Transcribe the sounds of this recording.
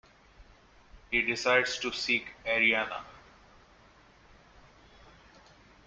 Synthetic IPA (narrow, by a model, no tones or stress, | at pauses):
hiːɖɪsaɪɖzʈusiːkɛɾiaːna̰